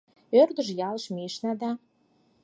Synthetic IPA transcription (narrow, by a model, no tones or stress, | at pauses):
ørd̪əʒjɑləʃmiʃnɑd̪ɑ